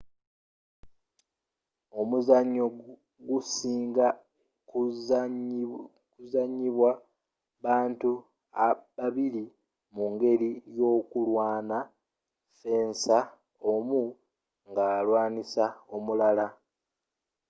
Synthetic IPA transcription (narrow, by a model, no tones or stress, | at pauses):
o̞muzaɲːo | ɡusiːŋɡa | kuzaɲːiβwa | βaːntu | aβaβili | muŋɡe̞ɾijo̞ːkulwaːna | fe̞ːnsa | o̞mu | ŋɡalwaːnisao̞mulala